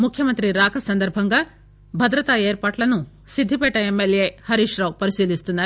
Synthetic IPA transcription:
mukʰjɐmɐnt̪ɾiɾaːkʰɐsɐnd̪ɐɾbʱɐŋɡa | bʱɐd̪ɾɐt̪aeːɾpaːʈlɐnu | sid̪ʱːipɛːʈɐemːeljehɐɾiʂɾɐwpɐɾisiːlist̪unːaː

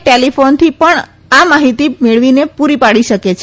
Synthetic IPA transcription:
ʈelifont̪ʰipəɳ | amaɦit̪imeɭʋinepuɾipaɽiʃəket͡ʃʰ

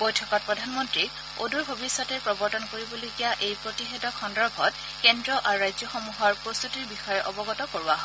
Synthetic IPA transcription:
bojtʰɔkɔt̚pɹɔdʱanmɔntɹi | o̰duɹbʱobisːɔtɛpɹɔbɔɹtɔnkoɹibɔlojkijaʔejpɹotixɛtɔkʰxɔndɔɹbʱɔt | kɛndɹɔʔaɹɹajzjɔxɔmuɦɔɹpɹost̪utiɹbixɔjɛʔɔbɔɡɔtɔkoɹuaɦɔ

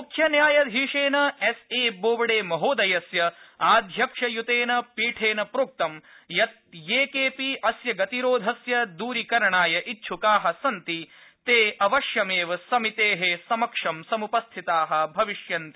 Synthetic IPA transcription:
mukʰjɐnjaːjɐd̪ɦiːʂeːnɐeseːboːʋɐɽeːmɐɦoːd̪ɐjɐsjɐaːd̪ʱjɐkʂɐjut̪eːnɐpiːʈʰeːnɐpɾoːk̚t̪ɐm | jɐt̪̚jeːkeːpiʔɐsjɐɡɐt̪iɾoːd̪ʱɐsjɐd̪uːɾikɐɾɐɳaːjɐʔitːʃʰukaːɦɐsɐnt̪it̪eːʔɐʋɐʃjɐmeːʋɐsɐmit̪eːɦesɐmɐkʂɐmsɐmupɐst̪ʰit̪aːɦɐ̆bʱɐʋiʃjɐnt̪i

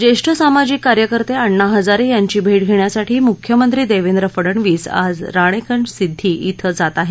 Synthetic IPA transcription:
d͡ʑeʂʈʰəsamad͡ʑikkːaɾjəkəɾt̪eəɳːaɦəd͡zaɾejaɲt͡ɕiːbʱeʈ̚ɡʱeɳjasaʈʰiːmukʰjəmənt̪ɾiːd̪eʋend̪ɾəfəɽəɳʋiːsa̰d͡zɾaɽ̃ekəɳsid̪ʱːiːʔit̪ʰəd͡zat̪aɦe

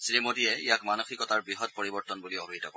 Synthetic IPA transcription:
sɹimodiɛijakmanoxikɔtaɹbɹiɦɔt̚poɹibɔɹtɔnbuliɔbʱiitɔ̰kɔ

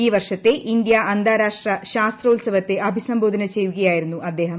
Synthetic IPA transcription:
iːʋɐrʂɐt̪ːe̞ʔʔind̪jaʔɐnd̪ʱaːɾaːʂʈrɐɕaːst̪rɐulsɐʋɐt̪ːe̞ʔɐbʱisɐmbo̞ːd̪ʱɐnɐt͡ɕejuɣɐjaːjiɾunːuʔɐd̪ːe̞ːɦɐm

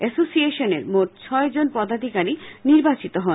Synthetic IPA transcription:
ɛsosieʃoneɾmoʈ̚t͡ɕʰɔed͡ʑonpɔd̪ad̪ʱikaɾiniɾbat͡ɕit̪oɦɔn

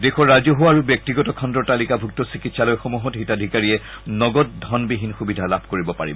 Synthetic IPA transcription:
dexɔːazɔɦoaɹubjɔk̚tiɡɔtɔkʰɔndɔɹtalikabʱuk̚tɔsikitsalɔjxomuɦɔtɦitadʱikaɹiɛnɔɡɔt̚dʱɔnbiɦinxubidʱalabʱkoɹibɔpaɹḭbɔ

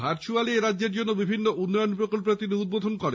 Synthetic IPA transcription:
aɾt͡ʃʰualieɾadːeɾd͡ʑonːobibʱinːoʔunːɔjonpɾokolp̬et̪ineud̪bod̪ʱonkɔɾe

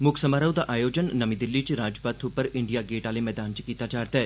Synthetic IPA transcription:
mʊksəmaːɾəwd̪aʔaːjoːd͡ʒənːɐmid̪ɪlːit͡ʃiɾaːd͡ʒpaːt̪ʰupəɾɪ̃ɳɖijaɡeːʈaːlemɛːd̪aːnt͡ʃi̥kiːt̪ad͡ʒaːɾt̪ɛ

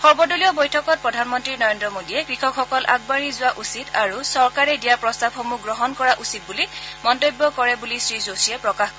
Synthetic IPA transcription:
xɔɹbɔduliɔbojtʰɔkɔt̚pɹɔdʱanmɔntɹinɔɹendɹɔmodijɛkɹixʰɔkxɔkɔlʔa̰ɡ̚baɹizʊwaʔusitʰaɹusɔɹkaɹɛdijaɹpɹɔstab̚xomuɡɹɔɦɔnkɔɹaʔusit̚bulimɔntojbːɔkɔɹɛbulisɹizosiɛpɹɔkaxkɔ

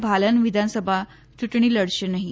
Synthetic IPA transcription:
bʱalənʋid̪ʱansəbʱa | t͡ɕuʈɳ̃iːləɽɕenaɦi

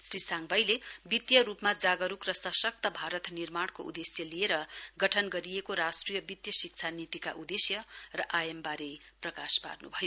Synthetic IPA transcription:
srisaŋɡbʱʌjlebit̪jʌɾupmad͡zaɡʌɾukrʌsʌsʌk̚t̪ʌbʱaɾʌt̪nirmaɽ̃koʔṵd̪esjʌlieɾʌɡʌʈʰʌnɡʌɾiekoɾasʈrijʌbit̪jʌsik̚t͡sʰanit̪ika̰ʔud̪esjʌrʌʔajembaɾeprʌkaspa̰rnubʱʌjo

